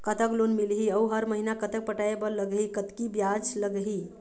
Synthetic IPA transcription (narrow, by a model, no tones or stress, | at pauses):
kət̪əklonmilɦiəuɦəɾməɦinakət̪ək̚pəʈaebəɾləɡɦikət̪kibjad͡ʒləɡɦi